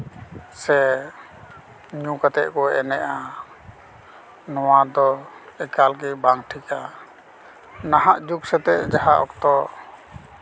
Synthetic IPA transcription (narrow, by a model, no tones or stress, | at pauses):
sɛ | ɲũkat̪ɛ̰ʔkɔɛɛnɛʔa | nɔwad̪ɔɛkalɡibaŋʈʰika | naɦaʔd͡ʒuksɛt̪ɛʔd͡ʒaɦaʔɔ̰kt̪ɔ